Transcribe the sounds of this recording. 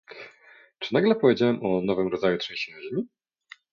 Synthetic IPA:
t͡ʂɘnaɡlɛpɔvjed͡ʑawɛmʔɔnɔvɘmɾɔd̪zajut̪ʂɛ̃jɕaʑmʲi

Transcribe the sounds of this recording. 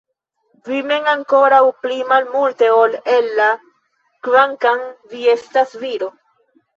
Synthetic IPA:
vime̞ŋaŋko̞ɾawplimalmulte̞o̞le̞lːa | kvaŋkanvie̞stasviɾo

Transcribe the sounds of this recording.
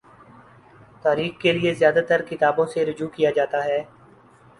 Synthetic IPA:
t̪aːɾiːxkeliezjaːd̪at̪əɾkɪt̪aːbõːseɾʊd͡ʒuːkijaːd͡ʒaːt̪aɦɛː

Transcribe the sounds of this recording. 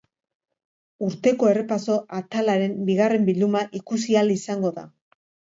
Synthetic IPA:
uɾt̪e̞ko̞e̞re̞paso̞ʔat̪alaɾe̞mbiɣ̞are̞mbild̪umaʔikus̬ialisaŋɡo̞ða̰

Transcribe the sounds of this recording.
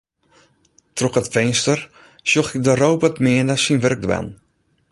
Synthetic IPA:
trɔkətfɛnstər | sjoxɪk̚dəɾowpətmɪədasinʋørk̚dʋɛ̰n

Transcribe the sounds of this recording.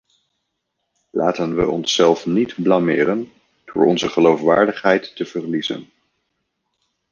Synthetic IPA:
lʔaːtənʋə̰ɔnsːɛlˠfnidblɑmɪːrən | d̥ʊːɹʔɔ̰nzəχəlowfʋaːɹdəχɦɛjtːəv̥ərlizə̰n

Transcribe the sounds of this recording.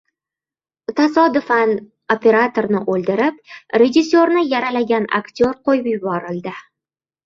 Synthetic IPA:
t̪ʰasɒd̪ʊfan | opʰʲe̞ɾat̪ʰo̞ɾnɪʔolˠd̪ɪɾɪp̚ɾe̞d͡ʒɪsːoɾnɪjaɾalaɡʲana̰kt̪ʰʲo̞ɾqʰojɪpjʊbɒɾɪld̪ɪ

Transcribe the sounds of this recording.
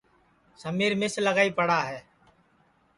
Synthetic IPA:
səmiːɾmɪsləɣaːiːpəɽaːɦɛː

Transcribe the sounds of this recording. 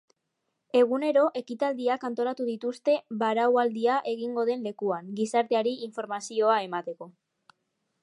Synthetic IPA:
e̞ɣ̞une̞ɾo̞ʔe̞kit̪ald̪iakant̪o̞ɾat̪uðit̪ust̪e̞βaɾawald̪iaʔe̞ɣ̞iŋɡo̞ð̞e̞nle̞kuaŋɡisaɾt̪e̞aɾiːɱfo̞ɾmasio̞ae̞mat̪e̞ko̞

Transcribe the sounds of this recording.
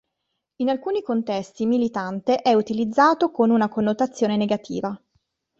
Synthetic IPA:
inalkuːnikont̪ɛst̪imilit̪ant̪eʔɛut̪ilid̪zːaːt̪okonunakonːot̪at̪sːjoːneneɡat̪ʰḭːva

